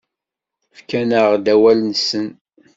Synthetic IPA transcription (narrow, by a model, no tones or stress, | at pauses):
fkænəʁd̪æwælnsən